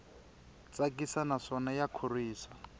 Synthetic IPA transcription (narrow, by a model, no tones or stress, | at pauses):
t͡sak̬ʼisanaʂɔnajakʰoriːsa